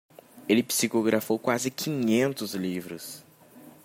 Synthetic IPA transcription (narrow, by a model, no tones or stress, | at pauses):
elɪpi̥sikoɡɾafowkwazɪkʰĩɲẽnt̪ʊzlivɾʊs